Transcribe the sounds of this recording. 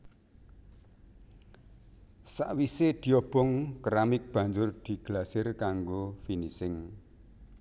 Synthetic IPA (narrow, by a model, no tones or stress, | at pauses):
saʔwised̪̥i̤ɔb̥ɔŋkəɾamɪk̚b̥a̤ɲd͡ʒʊrd̪̥i̤ɡ̥lasɪrkaŋɡofinisɪŋ